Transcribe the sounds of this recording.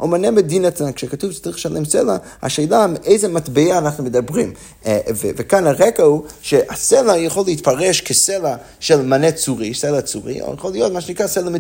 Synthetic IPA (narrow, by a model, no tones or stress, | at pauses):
ʔomanemed̪inatnankʃekatuvt͡saʁiχlʃalʔemsela | ha̰ʃejlameʔejzematbeaːnaχnumed̪abʁim | vevekanaʁekahuʃeʔaselajaχolːeit̪paʁeʃkʰesela | ʃelmanet͡suʁiselat͡suʁḭjaχolijot̪maʃenikʁaselame